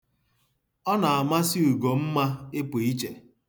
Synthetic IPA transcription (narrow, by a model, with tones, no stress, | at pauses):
ɔ˦na˨a˨ma˦sɪ˦u˨ɡo˨m̩˦ma˦ɪ˦po˨i˦t͡ʃe˨